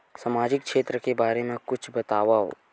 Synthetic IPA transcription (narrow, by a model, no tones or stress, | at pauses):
samaːd͡ʒɪk̚kʃeːt̪ɾəkebaːɾemẽkʊt͡ʃʰbɐt̪aːʋaɦo̰ː